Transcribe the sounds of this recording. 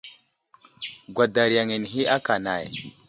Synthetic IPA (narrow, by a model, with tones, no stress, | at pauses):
ɡʷa˨da˨ɾja˨ŋi˨n˨ɦi˦a˦ka˨na̰˨j